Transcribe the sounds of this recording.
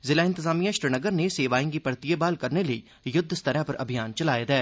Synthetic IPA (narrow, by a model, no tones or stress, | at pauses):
zɪlaːɪ̃nt̪ɪzaːmijãʃɾənəɡəɾneseːʋaːĩɡipɐɾt̪ijebaːlkɐɾneləḭ | jʊd̪ʱːst̪ʰəɾãpɐɾʔɐ̰bʱijaːnt͡ʃɐlaːjed̪ɛː